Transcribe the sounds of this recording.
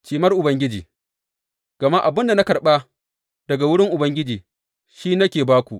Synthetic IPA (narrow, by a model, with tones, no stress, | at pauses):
t͡ʃiː˨mɐ˦rʔʊ˨bɐ˦ŋɡʲɪ˦d͡ʒiː˨ | ɡ̥ɐ˨ma˦ʔa˨bɪ˦nda˨na˦kɐ˨rɓa˦ | d̥ɐ˨ɡa˨wʊ˦ɽɪ˦ŋʔʊ˨bɐ˦ŋɡʲɪ˦d͡ʒiː˨ | ʃiː˦nɐ˦kʲeː˨baː˦kʷu˨ʔ